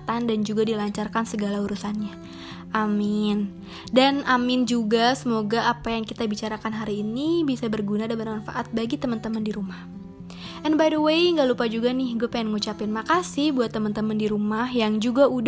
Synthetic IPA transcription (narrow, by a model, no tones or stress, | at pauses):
t̪andand͡ʒuɡadilaɲt͡ʃarkansəɡalauɾusanɲa | ʔamɪn | danamɪnd͡ʒuɡasəmoɡaːpajaŋkit̪abit͡ʃaɾakanɦaɾiːnibisabərɡunadabənmanfa̰ʔat̪̚baɡit̪əmənt̪əməndiɾumah | ʔɛnbajdəwejŋɡalupad͡ʒuɡanɪhɡuapaɛnŋut͡ʃapɪnmakasɪhbuat̪ːəmənt̪əməndiɾumahjaŋd͡ʒuɡaud